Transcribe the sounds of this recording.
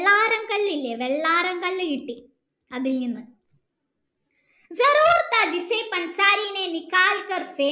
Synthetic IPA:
ɭːaːɾɐŋkɐɭːilːeʋeɭːaːɾɐŋkɐlːɨkiʈːi | ɐðilɲinːɨ | zɐɾuːɾt̪ad͡ʒisepɐnsaːɾiːnenikaːlkɐɾfeː

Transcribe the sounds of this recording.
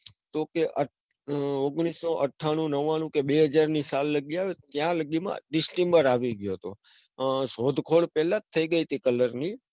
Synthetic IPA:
t̪okeʔə | oɡɽ̃isːoʔəʈʰːaɽ̃ũnəʋanũkebeɦəd͡ʒaɾnisalːəɡiaʋet̪jãləɡimã̰ɖɪsʈembəɾaʋiɡjoɦt̪o | sod̪ʱkʰoɭpɛlãt̪ʰːəiɡəit̪ʰikələɾni

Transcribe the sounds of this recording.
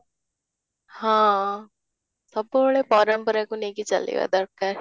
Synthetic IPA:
hãː | sɐboɭepɔːɾəmpɐɾakunekit͡ʃɐ̰lḭʋa̰d̪ɐɾkːaɾ

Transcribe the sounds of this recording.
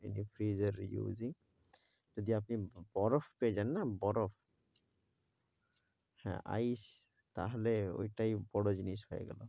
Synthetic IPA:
ḛnipʰɾizeɾ̰jṵziŋ | zod̪iapnibɔɾɔfʰkezanːabɔɾɔpʰ | hɛ̰̃a̰js | t̪a̰ɦɔleo̰jʈajbɔɽɔd͡ʑinishɔjɛ̰ɡɛ̰lɔ̰

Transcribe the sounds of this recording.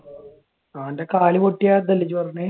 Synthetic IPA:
aːndekaːɭikoʈːijaːt̪ːɐlːit͡ɕːupɐrɐɲːe

